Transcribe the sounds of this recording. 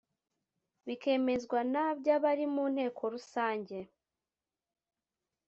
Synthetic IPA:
βike̞me̞zɡwanabɟaβaɾimuːn̥he̞ːkʰo̞ɾusaːɲɟe̞

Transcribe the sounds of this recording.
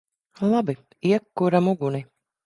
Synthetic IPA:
lˠabi | iɛkːuɾamuɡuni

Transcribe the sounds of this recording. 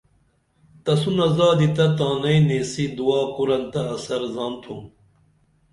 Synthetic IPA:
t̪ɐsunɐzɑːd̪it̪ɐt̪aːnɐineːsid̪uwaːkuɾɐnt̪ɐːsɐɾzɑːnt̪ʰum

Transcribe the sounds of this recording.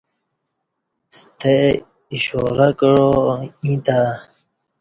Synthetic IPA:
st̪ʰe | iɕoːɾakəɻoĩːt̪a

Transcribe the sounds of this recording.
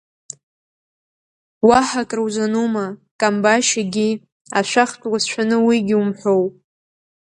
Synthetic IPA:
waħakʼrwzʷanumakʼambaʃaɡʲi | a̰ʃʷᶣaχtʼwasʃʷᶣanɨwiɡʲiumħʷow

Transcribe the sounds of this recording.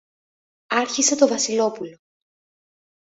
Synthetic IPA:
ɐɾçise̞t̪o̞vɐsilo̞pulo̞

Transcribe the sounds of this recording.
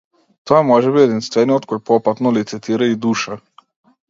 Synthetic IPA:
t̪ɔjɛmɔʒɛbiɛd̪inst̪vɛniɔt̪̚kɔjpɔpat̪nɔlit̪sɛt̪ʰiɾaid̪uʃa

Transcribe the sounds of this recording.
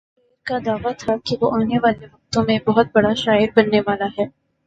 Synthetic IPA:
iːɾkad̪aːʋat̪ʰakiʋoʔaːneʋaːlemɐkt̪õmẽbɐɦʊt̪̚bɐɽaʃaːɪɾbɐnːeʋaːlaɦɛː

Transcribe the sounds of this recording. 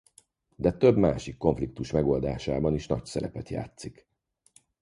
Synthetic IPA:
d̪ɛt̪ø̞bmaːʃikːo̞ɱflik̚t̪uʃmɛɡo̞ld̪aːʃaːbɒniʃnɒcsɛlɛpɛt̪ja̰ːt̪sik

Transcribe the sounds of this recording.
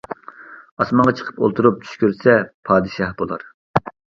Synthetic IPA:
ɑsmɑɴʁɑt͡ʃʰə̥qʰə̥po̰lˠt̪ʰuɾup̚t͡ʃʰy̥ʃkʲyɾsɛpʰɑːd̪ɨʃɑhbolˠɑ̰ɾ

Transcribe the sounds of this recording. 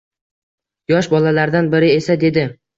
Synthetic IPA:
jɒʃbɒlalaɾd̪anbɪɾɪe̞sad̪e̞d̪ɪ

